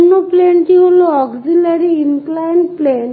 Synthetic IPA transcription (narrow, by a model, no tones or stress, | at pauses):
nːupleːɳʈiuluɔɡsilɐɾiinklajnpleːn